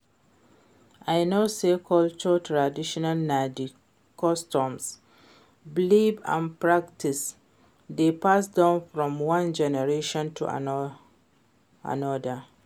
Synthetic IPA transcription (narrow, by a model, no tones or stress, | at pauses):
aɪnosekʰɔlt͡ʃɔtʰɹadiʃɔnalnad͡ʒi | kʰɔstɔ̃ms | blibã̰npɹak̚tʰis | depʰasdãʊ̃nfɹɔ̃mwãnd͡ʒɛnɛɹeʃɔ̃ntʰṵa̰ | a̰nɔdə